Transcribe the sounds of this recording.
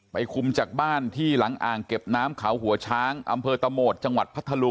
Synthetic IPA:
pa˧jkʰu˧mt͡ɕaː˨˩k̚baː˥˩nt̪ʰiː˥˩la˩˦ŋʔaː˨˩ŋke˨˩p̚naː˦˥mkʰa˩˦wɦu˩˦ɐt͡ɕʰaː˦˥ŋʔa̰˧mpʰɤː˧t̪a˧moː˨˩t̪̚t͡ɕa˧ŋwa˨˩t̪̚pʰa˦˥t̪ʰːa˧lu˧

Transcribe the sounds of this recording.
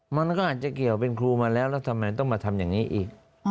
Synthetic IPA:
ma˧nkɔː˥˩ʔaː˨˩t̪̚t͡ɕa˨˩ki˨˩əwpe˧nkʰɾuː˧maː˧lɛː˦˥wlɛː˦˥˩wt̪ʰa˧mːa˧jt̪ɔ˥˩ŋmaː˧t̪ʰa˧mjaː˨˩ŋniː˦˥ʔiː˨˩k̚

